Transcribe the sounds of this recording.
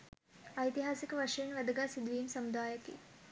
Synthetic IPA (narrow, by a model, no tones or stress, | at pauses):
ɐjt̪iɦaːsikəʋɐʂɐjɐnʋɐd̪ɐɡaːsid̪ʋijmsɐmud̪aːjɐkḛ